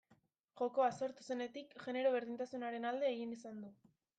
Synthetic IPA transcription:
ʝo̞ko̞aso̞ɾt̪u̥se̞ne̞t̪ikʝe̞ne̞ɾo̞β̞e̞ɾð̞int̪asunaɾe̞nald̪e̞ːɣinisand̪u

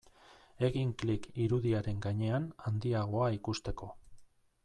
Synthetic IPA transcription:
e̞ɣiŋklikiɾuðiaɾe̞ŋɡaɲe̞anand̪iaɣ̞o̞aikust̪e̞ko̞

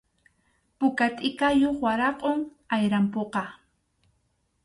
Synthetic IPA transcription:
pʊkat̪ʼɪkajoχwaɾɑqʼoŋ | ajɾampoqɑ

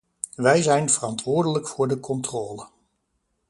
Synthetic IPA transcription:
ʋɛjzɛjnvərɑntʋʊːɹdələkfʊːɹdəkʰɔntroːlə

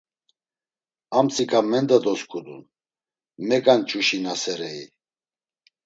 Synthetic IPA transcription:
amt͡sʰʼikʰʼamɛnd̪ad̪ɔskʰʼud̪un | mɛkʼant͡ʃʼuʃinasɛɾɛḭ

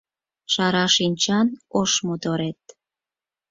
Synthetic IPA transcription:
ʃɑɾɑʃinʲt͡ɕɑnoʃmod̪oɾet̪̚

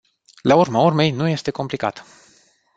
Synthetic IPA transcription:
laurmaurme̞jnuje̞st̪e̞ko̞mplika̰t̪

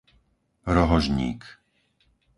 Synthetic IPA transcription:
ɾɔɦɔʒɲḭːk

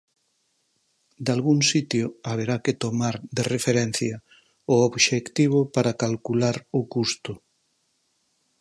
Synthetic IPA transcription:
d̪alɣuŋsit̪jʊaβeɾaket̪omaɾd̪erefeɾɛn̟θjɐ | ʊoβʃekt̪iβ̞ʊpaɾakalkulaɾʊkust̪ʊ

